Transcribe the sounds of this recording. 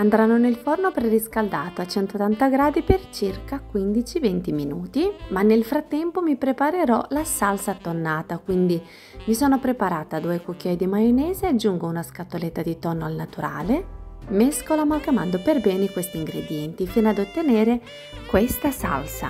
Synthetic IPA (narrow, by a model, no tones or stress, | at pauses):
and̪ɾanːonelfornopɾeriskald̪aːt̪oat͡ʃːɛnt̪ot̪ːant̪aɡɾaːd̪ipert͡ʃirkakwind̪it͡ʃivɛnt̪iminuːt̪imanːelfɾat̪ːɛmpomipɾepaɾeɾɔlasalsat̪ːonːaːt̪akwind̪i | misoːnopɾepaɾaːt̪aːd̪uːekokːjɔjd̪imajonɛːzead͡ʒːuŋɡounaskat̪ːolet̪ːad̪it̪ɔnːoalnat̪uɾa̰ːlemeskolamakamand̪operbɛːnekwest̪iiŋɡɾḛd̪jɛnt̪ifiːnoad̪ot̪ːeneːɾe | kwest̪asa̰lsa̰